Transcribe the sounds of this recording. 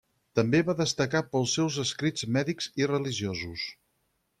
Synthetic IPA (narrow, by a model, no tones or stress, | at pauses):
t̪əmbeβaðəst̪əkapəlˠsɛwzəskɾid͡zmɛðikzirəliʒiozus